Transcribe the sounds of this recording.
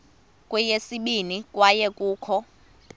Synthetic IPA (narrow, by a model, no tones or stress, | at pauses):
kʼwɛjesiɓinikʼwajɛkʼuːkʰɔ